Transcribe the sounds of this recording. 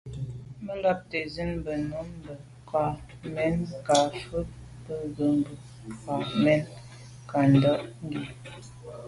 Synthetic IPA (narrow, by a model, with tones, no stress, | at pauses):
mə˦lɔ˦p̚te˨zi˦nbə˨nu˦mbə˨ | kʰa˨ | mɛ˦nka˨fə˦ | bə˦ɣə˨mbə˨ | ka˨mɛ˦n | ka˨n˨dɔ˦ʔŋ˦ɡi˨